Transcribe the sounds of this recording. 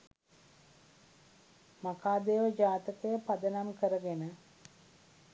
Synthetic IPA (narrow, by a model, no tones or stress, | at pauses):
makaːd̪eːʋəd͡ʒaːt̪əkəjəpad̪ənamkəɾəɡenə